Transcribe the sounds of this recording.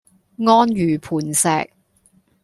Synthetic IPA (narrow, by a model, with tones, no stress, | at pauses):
ŋɔː˥njyː˨˩pʰuː˨˩nsɛ̰ː˨˧k̚